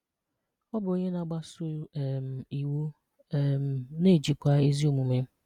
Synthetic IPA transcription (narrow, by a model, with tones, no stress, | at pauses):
ɔ˦bʊ˨o˦ɲe˦na˦˨ɡ͡ba˦sʊ˦˨m˨i˨wu˦ | m˨ne˦˨d͡ʒi˨kʷa˦e˦zi˦o˨mu˨me˦